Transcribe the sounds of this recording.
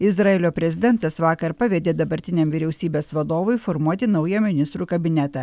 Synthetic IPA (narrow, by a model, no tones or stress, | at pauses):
ɪzɾɐeːlʲoːpʲɾʲɛzʲɪd̪ʲɛnt̪ɐsʋɑːkɐɾpɐʋʲɛd̪ʲeːd̪ɐbɐɾʲt̪ʲɪnʲeːmʋʲɪɾʲɛʊsʲiːbʲeːsʋɐd̪oːʋʊɪfɔɾmuɔt̪ʲɪnɐʊjɛmʲɪnʲɪst̪ɾuːkɐbʲɪnʲɛt̪ɐ